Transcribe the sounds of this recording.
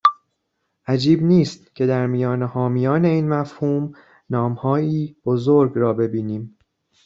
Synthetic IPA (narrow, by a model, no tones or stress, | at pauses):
ʔæd͡ʒiːbniːst̪cʰe̞d̪æɾmijɒːnehɒːmijɒːne̞iːnmæfhuːm | nɒːmhɒːjiːb̥ozoɾɡɾɒːbe̞biːniːm